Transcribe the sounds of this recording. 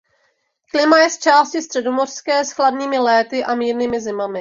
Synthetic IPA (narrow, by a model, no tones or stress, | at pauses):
klɪmajɛst͡ʃaːscɪst̪r̥ɛdo̞mo̞r̥skɛːsxladɲiːmɪlɛːt̪ɪʔamiːɾniːmɪzɪmamɪ